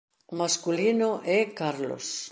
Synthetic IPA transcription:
maskulinoʔɛkaɾlo̰s

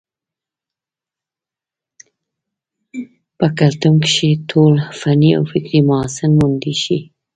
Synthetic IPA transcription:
pəkalt̪uŋkʃet̪ʰolfania̰wfɪkɾimʊɑsɪnmund̪iʃi

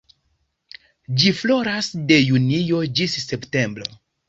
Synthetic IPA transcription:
d͡ʒiflo̞ɾasde̞junijo̞d͡ʒisːe̞pte̞mbɾo̞̰

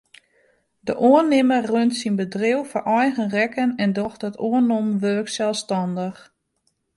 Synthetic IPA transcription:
dəʔoənɪmərøntsinbədrɪwfɔrʔɔjɣənrɛkənɛndɔxtɔtʰoənɔmʋøːksɛlˠstɔndəx

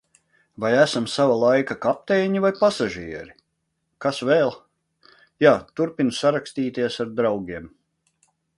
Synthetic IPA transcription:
vajæsamsavalˠajkakap̚t̪ɛːɲivajpasaʒiɛɾi | kasvɛːlˠ | jaːt̪uɾpinusaɾakst̪iːt̪iɛsaɾd̪ɾawɡʲiɛm

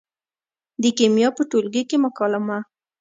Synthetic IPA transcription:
d̪əkemjɑpəʈolɡəkeməkɑlama

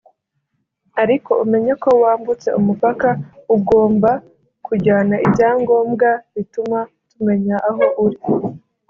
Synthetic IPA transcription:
aɾiko̞ume̞ɲako̞waːmbut͡se̞̰umupakauɡo̞ːmba | kuɟaːnaibjaːŋɡo̞ːmɡaβituma | tume̞ɲaʔːɦoʔuɾi

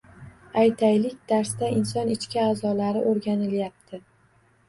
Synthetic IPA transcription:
ajt̪ʰajlɪkʲd̪̥aɾsd̪aɪnsɒnɪt͡ʃkʲaaːzɒlaɾɪʔoɾɡʲanɪljap̚t̪ʰɪ

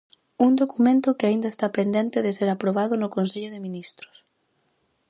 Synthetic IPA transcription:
uŋd̪okumẽnt̪ʊkɪaind̪aest̪apend̪ẽnt̪ɪðɪseɾapɾoβ̞aðʊnʊkonseʎʊðemĩnist̪ɾʊ̥s

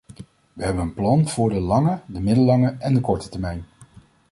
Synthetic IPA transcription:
ʋəɦɛbənənplɑnv̥ʊːɹdəlɑŋədəmɪdəlɑŋəʔɛndəkɔɹtə̥tɛɹmɛjn

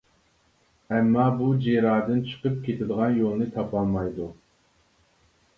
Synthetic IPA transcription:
ɛmːɑːbud͡ʒeɾɑːd̪ɨnt͡ʃʰə̥qəp̚kʲʰet̪ʰɪd̪əʁɑnjolˠnɨt̪ʰɑpɑlˠmɑjd̪u

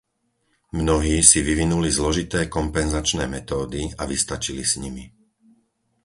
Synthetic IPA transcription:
mnɔɦiːsiʋiʋinulizlɔʒit̪ɛːkɔmpɛnzat͡ʃnɛːmɛt̪ɔːd̪iaʋist̪at͡ʃilisɲimi

